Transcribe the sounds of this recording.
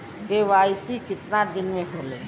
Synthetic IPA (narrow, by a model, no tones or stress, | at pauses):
keʋaːjsikɪt̪nad̪ɪnmẽɦolḛː